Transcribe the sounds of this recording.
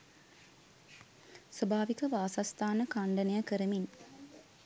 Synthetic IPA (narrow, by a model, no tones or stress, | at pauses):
səbʱaːʋikəʋaːsast̪ʰaːnəkaɳɖɐnejəkəɾəmin